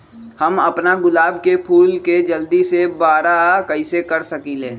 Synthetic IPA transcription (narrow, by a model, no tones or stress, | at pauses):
həməpnaɡʊlaːbkepʰuːlked͡ʒəld̪isebaːɾakəɪsekəɾsəkileː